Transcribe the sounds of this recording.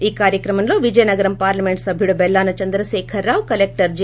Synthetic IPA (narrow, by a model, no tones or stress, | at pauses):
iːkaːɾjɐkɾɐmɐmlo̞ːʋid͡ʒɐjɐnɐɡɐɾɐmpaːɾlɐme̞ɳʈsɐbʱjuɽubɛlːaːnɐt͡ʃɐnd̪ɾɐʃɛːkʰɐɾːaːwkɐlek̚ʈɐɾd͡ʒ